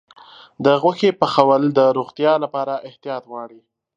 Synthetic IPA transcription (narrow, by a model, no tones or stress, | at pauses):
d̪əɣwaxepəxawəld̪əɾoɣt̪jɑlapɑɾaʔɪht̪ijɑt̪wɑɽi